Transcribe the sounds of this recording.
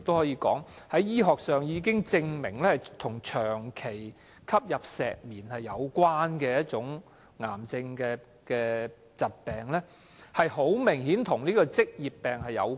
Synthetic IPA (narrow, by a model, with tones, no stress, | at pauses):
t̪o˥whɔː˨˥jiː˧kɔː˨˥ŋhɐ˨˦jːiː˥ɦɔː˨k̚sœː˨˩ŋjiː˨˧k̬ɪ˥ŋt͡sɪ˧ŋmɪ˨˩ŋlɛː˥hɐ˨jt̪ʰʊ˨˩ŋt͡ʃʰœː˨˩ŋkʰe˨˩j | kʰɐ˥p̚jɐ˨p̚sɛ̰ː˨k̚miː˨˩nhɐ˨jːɐ˨˧wkwaː˥nkɛː˧jɐ˥t̚t͡ʃʊ˨˥ŋ | ŋa̰ː˨˩mt͡sɪ˧ŋkɛː˧ | kɛː˧ | t͡sɐ˨t̚pɛː˨ŋlɛː˥ | hɐ˨jho˨˥wmɪ˨˩ŋhiː˨˥nt̪ʰʊ˨˩ŋniː˥kɔː˧t͡sɪ˥k̚jiː˨˩ppːɛː˨ŋhɐ˨jːɐ̰˨˧w